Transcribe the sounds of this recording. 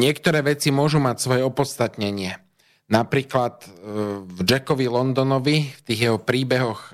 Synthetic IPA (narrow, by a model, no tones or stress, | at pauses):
ɲɪɛkt̪ɔɾɛːʋɛt͡simʊɔʒumacsʋɔjɛɔpɔt̪st̪at̪ɲɛɲɪɛ | napɾiːklat̪ | vd͡ʒɛkɔʋilɔnd̪ɔnɔʋift̪iːɣjɛɦɔpɾiːbɛɦɔx